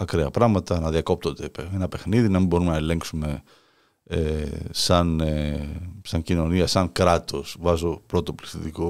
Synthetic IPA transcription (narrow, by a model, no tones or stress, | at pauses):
ɐkɾeɐpɾɐɣmɐt̪ɐnɐðiɐko̞p̚t̪ond̪eenɐpe̞xniðinɐmimbo̞ɾume̞nɐele̞ŋksume̞ | esɐn | sɐɲcino̞niɐsɐŋkɾɐt̪o̞svɐzopɾo̞t̪o̞pliθit̪iko